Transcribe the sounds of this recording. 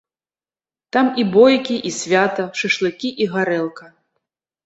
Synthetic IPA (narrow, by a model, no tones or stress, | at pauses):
t̪amibɔjkʲiʔisʲvʲat̪ɐʂɨʂlˠɨkʲiʔiɣaɾɛlˠkɐ